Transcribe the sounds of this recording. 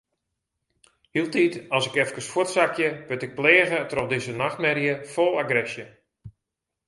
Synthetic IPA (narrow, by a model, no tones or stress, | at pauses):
hilˠtitɔsɪkɛfkəsfotsakʰjəʋɪtɪk̚pleːɣətrɔxdɪsənaxtmɛrjəfolˠaɡrɛsjə